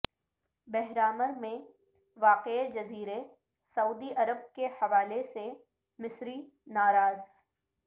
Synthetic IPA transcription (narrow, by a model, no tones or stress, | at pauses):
bɛɦɾaːməɾmẽ | ʋaːqeed͡ʒɐziːɾe | sɐuːd̪iʔɐɾəb̚kehɐʋaːlese | mɪsɾi | naːɾaːz